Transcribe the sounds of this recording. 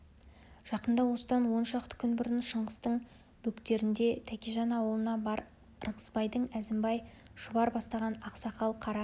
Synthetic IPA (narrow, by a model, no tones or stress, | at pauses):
ʒ̥ɑqənd̪ɑwo̞səd̪ɑnwo̞nʃɑq̚t̪ə̥kʲʰʏnbɪɾənʃəɴʁəst̪əɴ | bɵkt̪e̞ɾɪnd̪e̞t̪ʰækʲiʒɑnɑwəlˠənɑbɑɾ | rʁəzbɑjd̪əɴæzɪmbɑjʃʊbɑɾbɑst̪ɑʁɑnɑqsɑqɑlˠqʰɑɾɑ